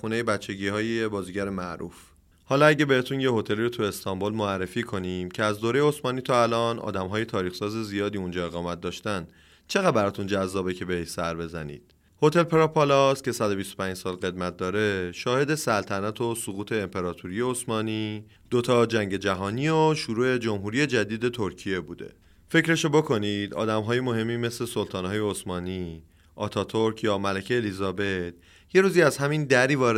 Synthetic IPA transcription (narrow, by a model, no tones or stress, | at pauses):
xuːnejebæt͡ʃʰːe̞ɟiːhɒːjeebɒːziɟæɾemæʔɾṵːf | hɒːlɒæɟe̞be̞het̪ʰunje̞hɦo̞t̪ʰe̞liːɾot̪ʰue̞st̪ʰɒmbolmoærːefiːkʰo̞niːmcʰeæzd̪oːɾejeosmɒːniːt̪ʰɒːælɒːnɒ̰ːd̪æmɦɒːje̞t̪ʰɒːɾiːxsɒːzezijɒːd̪iund͡ʒɒːe̞ɣɒːmæt̪̚d̪ɒːʃt̪æn | t͡ʃʰe̞ɣædbæɾɒːt̪ʰund͡ʒæzːɒːbecʰe̞beheʃsæɾbe̞zæ̰nḭːd̪̥ | ho̞t̪ʰe̞lpʰeɾɒpʰɒlɒscʲʰe̞sæd̪o̞bist̪opʰæ̃nd͡ʒsɒːlɣe̞d̪mæt̪̚ʰd̪ɒːɾe̞ʃɒːhe̞d̪e̞sælt̪ʰænæt̪ʰo̞suɣuːt̪ʰe̞ːmpʰe̞ɾɒːt̪ʰuɾije̞osmɒːni | d̪̥o̞t̪ʰɒːd͡ʒæŋɟe̞d͡ʒæɦɒːnioʃuɾuːe̞d͡ʒomɦuːɾije̞d͡ʒæd̪iːd̪e̞t̪ʰo̞ɾcʰije̞buːd̪e̞̰ | fe̞cɾe̞ʃobo̞kʰo̞niːd̪ɒ̰ːd̪æmɦɒːje̞mo̞ɦe̞mːiːme̞sle̞solt̪ʰɒːnhɒːje̞osmɒːni | ʔɒ̰ːt̪ʰɒːt̪ʰoɾkʰjɒːmælæcʰeːlizɒːbe̞d̪̥̚ | je̞ɾuːziæz̥ɦæmind̪æɾiːvɒːɾ